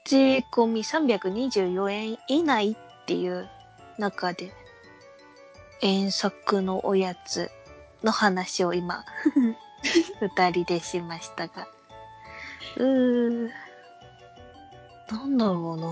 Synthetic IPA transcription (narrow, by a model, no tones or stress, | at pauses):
t͡ɕiko̞mʲisãmbʲjakɯ̟ɲ̟iʑɨːjo̞ẽinait̪ːe̞̰jɯ̟ | nakad̪e̞ | ẽ̞ɰ̃sakɯ̟no̞ʔojat͡sɨ̰ | no̞hanaɕio̞ima̰ | ɸɯ̟t̪aɾʲid̪e̞ɕimaɕi̥t̪aɡ̥a | ɯ̟ː | nãnd̪aɾoːna